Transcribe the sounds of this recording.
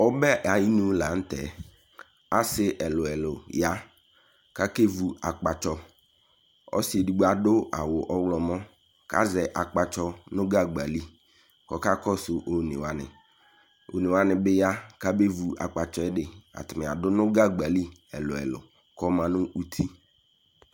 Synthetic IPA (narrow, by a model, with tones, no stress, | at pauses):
ɔ˦bɛ˦ʔa˨ji˦nũ˦la˨n̩˦tɛ̰˨ | a˦sɪ˦ʔɛ˨lʊ˨ɛ˨lʊ˨ja˦ | ka˦ke˦vu˨a˨k͡pa˨t͡ʃɔ˦ | ɔ̰˦si˨e˨di˨ɡ͡ba˨dʊ˦a˨wʊ˨ʔɔ˦wlɔ˨mɔ˦ | ka̰˦zɛ˨ʔa˨k͡pa˨t͡ʃɔ˦nʊ̃˦ɡa˦ɡ͡ba˨li˦ | kɔ˨ka˦kɔ˦sʊ˨ʔo˨nɪ̰˨wa˨nɪ̰˨ | o̰˨ne˨wa˦nɪ˨bɪ˦ja˦ka˦be˦vu˨a˨k͡pa˨t͡ʃɔ˦ɛ˦ɖɪ˨a̰˨t̪ʊ˨mɪ̃˨a˨dʊ˦nʊ̃˦ɡa˦ɡ͡ba˨li˦ɛ̰˨lʊ˨ɛ̰˨lʊ̰˨ | kɔ˦mã˨nʊ˦ʔu˦t̪ʰi˦